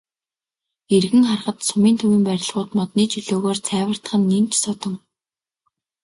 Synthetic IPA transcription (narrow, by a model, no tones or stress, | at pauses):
erɣɘ̆ŋχarʁə̆t̪sʊmiːnt̪ʰɵmĭːmpæɾʲɪ̆ɮʁʊːt̪mɔt̪niːt͡ɕʰɵɮoːɣoːrt͡sʰæːwə̆r̥t̪ə̆χə̆nːent͡ɕsɔt̪ə̆m